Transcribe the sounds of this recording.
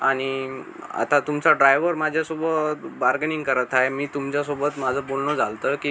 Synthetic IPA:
aɽ̃ia̰t̪at̪umt͡saɖɾajʋəɾmad͡ʑʱjasobəbaɾɡəniŋɡkəɾət̪aemiːt̪umt͡ɕjasobət̪mad͡zʱəbolnəd͡zʱalt̪əkiː

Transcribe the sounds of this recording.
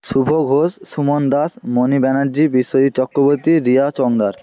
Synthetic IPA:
ʃubʱoɡʱosːumond̪asmonibɛnaɾd͡ʑibiʃːod͡ʑit̪t͡ɕɔkɾoboɾt̪iɾiat͡ɕɔŋd̪aɾ

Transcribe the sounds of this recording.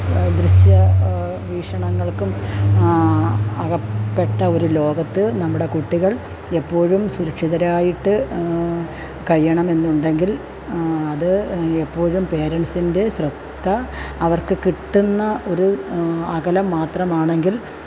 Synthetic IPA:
d̪riɕjɐ | ʋiːʂɐɳɐŋːɐɭkum | ɐɣɐpːe̞ʈːɐo̞ɾulo̞ːɡɐt̪ːɨnɐmːuɽe̞kuʈːiɣɐɭ | epːo̞ːɻumsuɾukʂiðɐɾaːjiʈːɨ | kɐɻijɐɳɐme̞nːuɳɖe̞ŋɡil | ɐðɨepːo̞ːɻumpe̞ːɾeɳsinde̞ɕrɐt̪ːɐɐʋɐrkɨkiʈːunːɐʔo̞ɾuɐɣɐlɐmːaːt̪rɐmaːɳe̞ŋɡil

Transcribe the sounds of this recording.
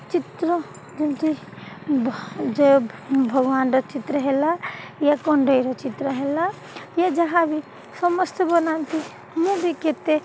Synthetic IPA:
t͡ʃit̪ɾə | d͡ʒint̪i | d͡ʒebʱəɡʋaːnɾɔt͡ʃit̪ɾəɦelajakoɳɖeiɾɔt͡ʃit̪ɾəɦela | jad͡ʒɐɦãbʱi | səməst̪bɐnant̪i | mũbʱiket̪e

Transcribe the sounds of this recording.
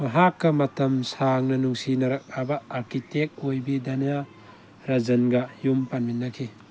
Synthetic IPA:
mɐɦakːɐmɐt̪ɐmsaŋnɐnuŋsinɐɾɐk̚abɐːɾkitek̚ojbid̪ɐna | ɾɐzɐnɡɐjumpanminːɐkʰi

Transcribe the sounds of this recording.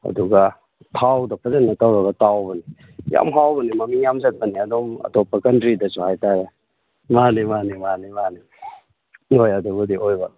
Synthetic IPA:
ɐ̰duɡɐ | tʰawdɐpʰɐzenːɐtawɾɐɡɐtawbɐni | ja̰mɦawbɐnimɐmiŋjamzɐt̚pɐniɐdɔŋɐ̰topːakɐntɾidɐsuhajtaɾe | manimanimanimani | ojɐduɡudiʔojbɐ

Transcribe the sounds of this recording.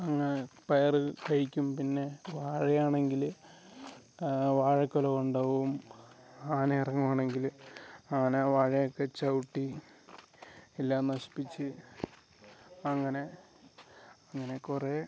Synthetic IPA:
ɐŋːɐnepɐjɐrɨkɐɻikʲːumpinːe̞ʋaːɻijaːɳe̞ŋɡil | ʋaːɻɐkːolɐɣuɳɖoum | aːnɐirɐŋːumaːɳe̞ŋɡilaːɐneʋaːɻɐjokːe̞t͡ɕɐwuʈːi | ilːaːnɐɕi̥pːit͡ɕːɨ | ɐŋːɐne̞ | ɐŋːɐne̞kure

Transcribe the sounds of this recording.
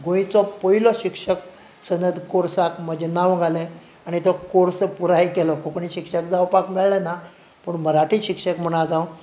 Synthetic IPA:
ɡõj̃t͡sɔpoilɔɕikʂək | sənəd̪ʱkoɾsakməd͡ʑnaʋɡʱalɛ̃ | aɽit̪ɔkoɾsəpuɾaikɛlɔkʰokɳiɕikʂəkd͡zawpakmeɭlɛna | pəɳməɾaʈʰiɕikʂəkm̤əɽ̃ad͡zaw

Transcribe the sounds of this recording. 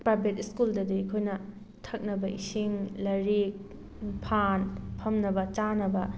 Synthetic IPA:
pajbʱetiskuldɐdiikʰojnɐ | tʰɐk̚nɐbɐʔisiŋlɐɾik̚ | pʰanpʰɐmnɐbɐt͡ʃanɐbɐ

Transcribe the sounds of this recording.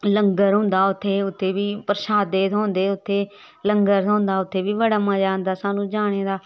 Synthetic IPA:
ləŋɡəɾɦʊ̃ːnd̪aːʊt̪ʰːeːʊt̪ʰːeːbiːpəɾʃaːd̪eːt̪ɦõːnd̪eːʊt̪ʰːeː | ləŋɡəɾɦõːnd̪aːʊt̪ʰːeːʋiːʋəɽaːmãːd͡ʒaːnd̪aːsaːnũːd͡ʒaːɽ̃eːd̪aː

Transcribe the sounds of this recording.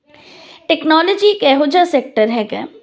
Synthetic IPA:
ʈɛknɔːlɔd͡ʒikɛɦoːd͡ʒasek̚ʈəɾɦɛːɡaː

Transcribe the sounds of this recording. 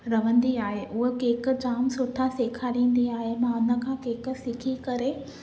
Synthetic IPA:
ɾɐʋ̤ə̃n̆d̪iaːɦeʔʊɦekeːk̆d͡ʑaːmsʊʈʰaseːkʰaːlĩːn̆d̪iaːɦemãʊnə̆kʰãːkeːk̆sɪkʰikɐɾe

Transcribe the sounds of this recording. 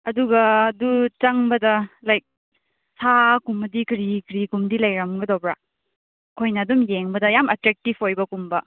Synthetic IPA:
ɐduɡɐːdut͡ʃɐŋbɐdɐlajk̚ | sakumɐdikɾikɾikumdilɐjɾɐmɡɐdowbɾa | kʰojnɐːdumjeŋbɐdɐjamɐtɾek̚tipʰojbɐkumbɐ

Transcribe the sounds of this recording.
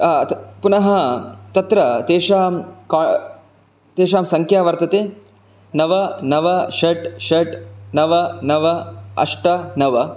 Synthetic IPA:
punɐɦɐt̪ɐt̪ɾɐt̪eːʂaːmkː | t̪eːʃaːmsɐŋkʰjaːʋɐɾt̪ɐt̪eː | nɐʋɐnɐʋɐʃɐʈʃɐʈnɐʋɐnɐʋɐɐ̰ʂʈɐnɐʋɐ

